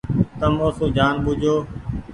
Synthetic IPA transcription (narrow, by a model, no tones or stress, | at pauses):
t̪əmoːsũːd͡ʒaːnɓʊd͡ʒʱoː